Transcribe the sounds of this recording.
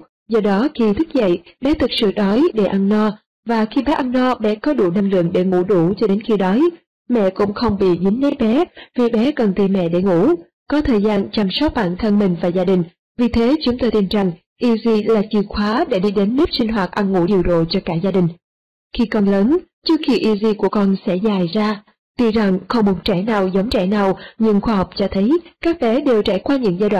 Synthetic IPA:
zɔ˧ɗɔ˨˦xi˧t̪ʰɨ˦˥k̚zə̰˧˨jɓɛ˨˦t̪ʰɨ˨˩k̚sɨ̰˧˨ɗɔ˨˦jɗḛ˧˩ʔa˧nːɔ˧ | vaː˨˩xi˧ɓɛː˨˦ʔa˧nːɔ˧ɓɛ̰˨˦kɔ˨˦ɗṵ˧˩na˧ŋlɨ̰˧˨əŋɗe˧˩ŋṵ˧˩ɗu˧˩t͡ɕɔ˧ɗe˨˦nxi˧ɗɔ˨˦j | mɛ̰˧˨kʊ̰˧˥ŋ͡mxə˧wŋ͡mɓḭ˧˨zï˨˦ŋ̟ɗə˨˦jɓɛ˨˦vi˨˩ɓɛ˨˦kə˨˩nt̪i˨˩mɛ̰˧˨ɗe˧˩ŋṵ˧˩ | kɔ˨˦t̪ʰəː˨˩jzaː˧nt͡ɕa˨˩msə˦˥t̚ɓa̰ː˧˨nt̪ʰə˧nmï˨˩ŋ̟vaː˨˩zaː˧ɗï˨˩ŋ̟ | vi˨˩t̪ʰe˨˦t͡ɕʊ˨˦ŋ͡mt̪o˧jt̪i˧nt͡ɕa˨˩ŋ | ʔi˧zi˧laː˨˩t͡ɕi˨˩xwaː˨˦ɗe˧˩ɗi˧ɗe˨˦nːi˦˥p̚sï˧ŋ̟ɦwaː˨˩t̚ʔa˧nŋṵ˧˩ɗi˧˩əwɗo̰˧˨t͡ɕɔ˧kaː˧˩zaː˧ɗï˨˩ŋ̟ | xi˧kɔ˧nləː˨˦n | t͡ɕɨ˦˥ək̚xi˧ʔi˧zi˧ku˧˩əkɔ˧nsɛ̰˧˥zaː˨˩jzaː˧ | t̪i˧za˨˩ŋxə˧wŋ͡mmo˨˦t̚t͡ɕɛ˧˩naː˨˩wzə˨˦wŋ͡mt͡ɕɛ̰˧˩naː˨˩wɲɨ˧ŋxwaː˧hɔ˨˩wk͡p̚t͡ɕɔ˧t̪ʰə˨˦jkaː˦˥k̚ɓɛ˨˦ɗe˨˩wt͡ɕaː˧˩jkwaː˧ɲɨ̰˧˥ŋzaː˧jɗwa̰ː˧˨

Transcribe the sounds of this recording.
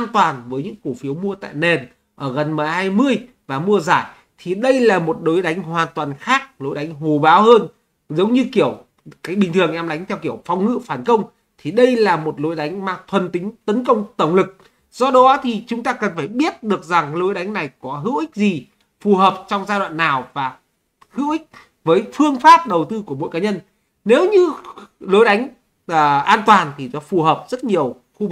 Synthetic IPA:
ʔaː˧nt̪waː˨˩nvəː˨˦jɲɨ̰˧˥ŋku˧˩fi˨˦wmu˧ət̪a̰ː˧˨jne˨˩n | ʔəː˧˩ɣə˨˩nma˨˩haː˧jmɨ˧əj | vaː˨˩mu˧əzaː˧˩j | t̪ʰi˨˩ɗə˧jlaː˨˩mo˨˩t̚ɗo˨˦jɗa˨˦jŋ̟ɦwaː˨˩nt̪waː˨˩nxaː˦˥k̚lo˨˦jɗa˨˦jŋ̟ɦo˨˩ɓaː˨˦whəː˧n | zə˨˦wŋ͡mɲɨ˧ki˧˩əw | kaː˨˦˥k̚ɓï˨˩ŋt̪ʰɨ˨˩əŋʔɛ˧mɗa˨˦jŋ̟t̪ʰɛ˧wki˧˩əwfa˧˩wŋ͡mŋɨ̰˧˨faː˧˩nkə˧wŋ͡m | t̪ʰi˨˩ɗə˧jlaː˨˩mo˨˩t̚lo˨˦jɗa˨˦jŋ̟maː˧˩t̪ʰwə˨˩nt̪ï˨˦ŋ̟t̪ə˨˦nkə˧wŋ͡mt̪ə˧˩wŋ͡mlɨ˨˩k̚ | zɔ˧ɗɔ˨˦t̪ʰi˨˩t͡ɕʊ˨˦ŋ͡mt̪aː˧kə˨˩nfaː˧˩jɓi˦˥ət̚ɗɨ˨˩ək̚za˨˩ŋlo˨˦jɗa˨˦jŋ̟na˨˩jkɔ˨˦ɦɨ̰˧˥wʔï˦˥k̟̚zi˨˩ | fu˨˩ɦəː˨˩p̚t͡ɕɔ˧wŋ͡mzaː˧jɗwa̰ː˧˨nːaː˨˩wvaː˨˩ | hɨ̰˧˥wʔï˦˥k̟̚ | vəː˨˦jfɨ˧əŋfaː˦˥p̚ɗə˨˩wt̪ɨ˧ku˧˩əmo̰˧˨jkaː˨˦ɲə˧n | ne˨˦wɲɨ˧lo˨˦jɗa˨˦jŋ̟ː˨˩ | ʔaː˧nt̪waː˨˩nt̪ʰi˨˩zɔ˨˦fu˨˩ɦəː˨˩p̚z̥ə˦˥t̚ɲi˨˩əw | xu˧

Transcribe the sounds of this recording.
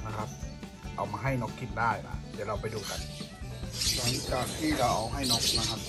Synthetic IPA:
na˦˧kʰa˦˧p̚ | ʔa̰˨wmaː˧ɦa˥˩jnɔ˦˥kʰːi˧˩n̚daː˧˥˩jna̰˧˩˨da˧˩˨la˧˩wpa˨jduː˧ka˧˦n | sa˧˩˦kaː˨˩k̚k̪ʰiː˧˥˩la˧˩wʔa˨˩wɦa˥˩jnɔː˦˥k̚na˧kʰa˧p̚

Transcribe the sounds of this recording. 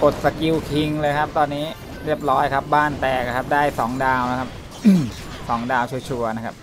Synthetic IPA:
ʔo˨˩t̪̚sa˧ki˧wkʰi˧ŋlɤː˧jkʰa˦˥p̚t̪ɔː˧nːiː˦˥ | ɾi˥˩əp̚ɾɔː˦˥jkʰa˦˥p̚baː˥˩nt̪ɛː˨˩k̚a˧kʰa˦˥p̚daː˥˩jsɔː˩˦ŋdaː˧wna˦˥kʰa˦˥p̚ | ʔm | sɔː˩˦ŋdaː˧wt͡ɕʰu˧t͡ɕʰu˧ɐna˦˥kʰa˦˥p̚

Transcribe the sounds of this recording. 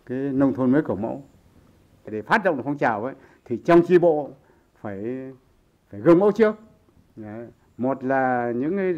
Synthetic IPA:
kaː˨˦jnə˧wŋ͡mt̪ʰo˧nməː˨˦jkɨ˧˩wmə̰˧˥w | ɗe˧˩faː˦˥t̚ɗə̰˨˧˨ŋ͡mʔfŋ͡mt͡ɕaː˧˨˩wʔə̰˧˦j | t̪ʰi˨˩t͡ɕɔ˧wŋ͡mt͡ɕi˧ɓo̰˧˨ | faː˧˩j | faː˧˩jɣɨ˨˩ŋmə̰˧˥wt͡ɕɨ˦˥ək̚ː | mo˨˩t̚laː˨˩ɲɨ̰˧˥ŋ˨˦

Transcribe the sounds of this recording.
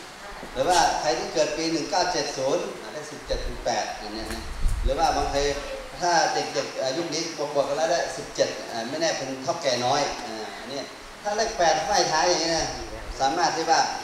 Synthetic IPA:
pʰɛː˨˦waː˧˩kʰa˧jt̪ʰiː˧˩kɤː˨˩t̪̚piː˧nɯ˨˩ŋkaː˧˥˩wt͡ɕe˨˩t̪̚suː˨˦nʔa˨˧da˧˩˨si˨˩p̚t͡ɕe˨˩t̪̚ʰːɯ˨˦ŋpɛː˨˩t̪̚a˨˧˩ni˧˥˩na˧˥˨lɯː˨˦waː˧˩ba˨˦ŋpʰa˧j | t̪ʰaː˧˥˩de˨˩k̚de˨˩k̚ʔaː˨˩ju˧˥˩k̚niː˦˥bu˧˦k̚bu˨˩˨k̚ʰːa˧nlaː˧˥˩da˧˥˩si˨˩p̚t͡ɕe˨˩t̪̚ʔaː˧˩mɛ˧˥˩nɛː˧˩pʰo˨˦nt̪ʰa˧˥˩wkɛː˨˩nɔː˦˥˨jʔaː˧˩ʔa˧nːi˧˩˨ | t̪ʰaː˧˥˩le˧˩k̚pɛː˨˩t̪̚aː˧˥˩jt̪ʰaː˧˥˦jaː˧˩ŋːi˧na˧˥˨saː˨˦maː˧˥˩t̪̚hi˧˥˩waː˧˩

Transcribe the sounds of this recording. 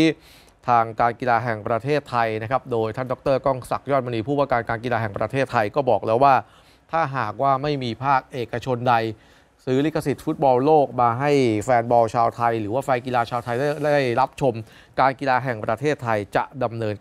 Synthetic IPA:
t̪ʰaː˧ŋkaː˧nki˧laː˧ɦɛ˨˩ŋpɾa˧t̪ʰeː˥˩t̪ʰːa˧jna˦˥kʰa˦˥p̚doː˧jt̪ʰa˥˩ndɔ˦˥t̪ɤː˥˩kɔː˥˩ŋsa˨˩k̚jɔː˥˩t̪̚ma˧niː˧pʰuː˥˩waː˥˩kaː˧nkaː˧nkiː˧laː˧˩ɦɛ˨˩ŋpɾa˧t̪ʰeː˥˩t̪ʰːa˧jkɔː˥˩bɔː˨˩k̚lɛː˦˥waː˥˩ | t̪ʰaː˥˩ɦaː˨˩k̚waː˥˩ma˥˩jmiː˧pʰaː˥˩k̚ʔeː˨˩kːa˧t͡ɕʰo˧nda˧j | sɯː˦˥li˦˥kʰːa˧si˨˩t̪̚fu˦˥t̪̚bɔː˧wloː˥˩k̚maː˧ɦa˥˩jfɛː˧nbɔː˧wt͡ɕʰaː˧wt̪ʰa˧jɾɯː˩˦waː˥˩fa˧jki˧laː˧t͡ɕʰaː˧wt̪ʰa˧jda˥˩jɾa˦˥p̚t͡ɕʰo˧m | kaː˧nki˧laː˧ɦɛ˨˩ŋpɾa˧t̪ʰeː˥˩t̪ʰːa˧jt͡ɕa˨˩ʔda˧mnɤː˧n

